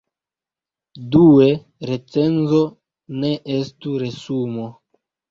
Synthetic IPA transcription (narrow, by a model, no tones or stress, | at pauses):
due̞ | ɾe̞t͡se̞nzo̞ | ne̞ʔestuɾe̞sumo